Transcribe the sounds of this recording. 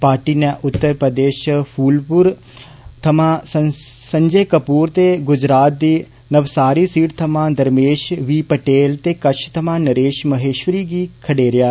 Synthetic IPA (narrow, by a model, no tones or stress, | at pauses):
paːɾʈiːnɛ̃ːʔʊt̪ːəɾpɾəd̪eːʃpʰuːlpʊɾ | t̪ʰɐmãːsəsə̃ɲd͡ʒəːkəpuːɾt̪eːɡʊd͡ʒɾaːt̪̚d̪iː | nəʋsaːɾisiːɽt̪ʰəmãːd̪əɾmeːʃʋiːpəʈeːlt̪eːkɐt͡ʃʰt̪ʰəmãːnəɾeːʃməɦeːʃʋəɾiːɡiːkʰəɽeːɾɪjaː